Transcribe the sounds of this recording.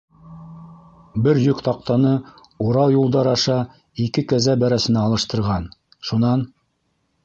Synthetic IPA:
bɘɾjɵkt̪ɑq̚t̪ɑnɤ | uɾɑwjulˠd̪ɑɾɑʃɑ | ikɘkæzæbæɾæsɘ̆næɑlˠɤ̆ʃt̪ɤ̆ɾʁɑn | ʃunɑn

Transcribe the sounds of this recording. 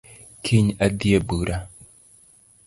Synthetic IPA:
kʰeɲadiebɨɾʔa

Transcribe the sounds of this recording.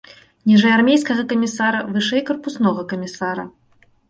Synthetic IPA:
nʲɛʐɛjarmʲejskɐɣɐkɐmʲisaɾɐvɨʂɛjkɐrpusnɔɣɐkɐmʲisaɾɐ̰

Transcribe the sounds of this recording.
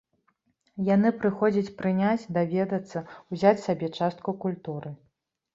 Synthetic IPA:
janɨpɾɨxɔd͡zʲɐt͡sʲpɾɨnʲat͡sʲd̪avʲɛd̪ɐt̪sːɐwzʲat͡sʲsabʲɛt͡ʂast̪kukulʲt̪uɾɨ

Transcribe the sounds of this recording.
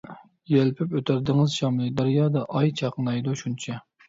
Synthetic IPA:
jɛlpʰɪpøt̪ʰæɾd̪ɪŋɨzʃɑmlˠɨd̪ɑɾjɑːd̪ɑʔɑjt͡ʃʰɑqnɑjd̪uʃunt͡ʃʰɛ

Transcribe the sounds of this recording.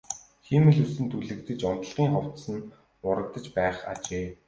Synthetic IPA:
xemɘ̆ɮŭsɘ̆nt̪ʰuɮɘ̆kt̪ɘ̆t͡ɕʊn̥t̪ə̆ɮʁiːŋχɔw̥t̪sə̆n | ʊɾə̆kt̪ə̆t͡ɕpæːχa̰t͡ɕeː

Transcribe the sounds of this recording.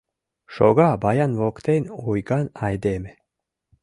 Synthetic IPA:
ʃɔ̰ɡaːbajanvɔkt̪enujɡanajd̪eːme

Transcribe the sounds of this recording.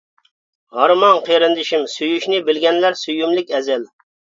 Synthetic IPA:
hɑɾmɑnqʰeɾɪnd̪ɪʃimsyjyʃnɪbɪlɡʲɛnlæɾsyjymlɪkʲɛzɪl

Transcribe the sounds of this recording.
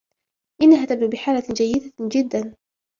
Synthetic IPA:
ʔɪnːaɦaːt̪ab̚d̪uːbɪħaːlad͡ʒajːɪd̪ad͡ʒɪd̪ːan

